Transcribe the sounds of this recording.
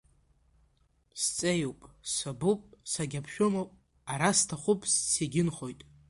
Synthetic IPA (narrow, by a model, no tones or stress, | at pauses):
st͡sʼejowpʼsabupʼsaɡʲapʰʃᶣʊmowpʼ | aɾastʰaχʷʊpʼsːeɡʲɪnχo̞jtʼ